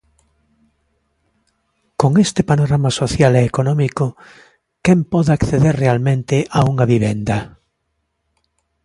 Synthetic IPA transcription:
koŋest̪ɪpanoɾamasoθjalɛːkonɔmiko | kempɔðakθeðeɾrealmẽnt̪ɪʔauŋɐβiβ̞end̪ɐ

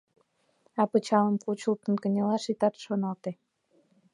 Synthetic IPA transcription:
ɑpə̆t͡ɕɑlə̆mkut͡ɕult̪ə̆nkə̆nʲelɑʃit̪ɑt̪ʃonɑlt̪e

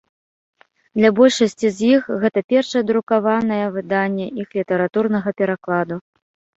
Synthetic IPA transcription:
d̪lʲabɔlʲʂɐsʲt͡sʲizʲjixɣɛt̪ɐpʲɛrʂɐjɛd̪ɾukavanɐjɛvɨd̪anʲːɛʔixlʲit̪ɐɾat̪urnɐɣɐpʲɛɾaklˠad̪u

